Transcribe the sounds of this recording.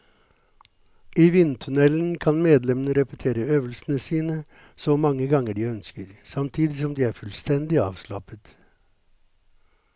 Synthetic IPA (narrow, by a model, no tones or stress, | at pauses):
iːʋɪnt̪ʰʉnɛln̩kʰɑnmeːd̪lɛmənəɾɛpət̪ʰeːɾəøːʋəlsn̩əsiːnə | soːmɑŋːəɡɑŋəɖiːœnskəɾsɑmt̪ʰiːd̪ɪsɔmd̪iːæːɾfʉlst̪ɛnd̪ɪɑ̰ːʋslɑ̰pət̪